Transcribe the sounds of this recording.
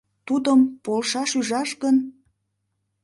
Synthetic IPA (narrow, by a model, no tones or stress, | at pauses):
t̪ud̪əmpolʃɑʃyʒɑʃɡən